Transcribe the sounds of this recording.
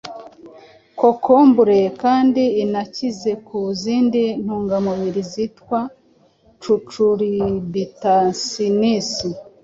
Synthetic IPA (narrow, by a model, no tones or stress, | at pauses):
kokʰombuɾekaːndiːnacize̞kuziːndin̥huːŋɡamuβiɾizitwa | t͡ʃut͡ʃuɾibitansinisi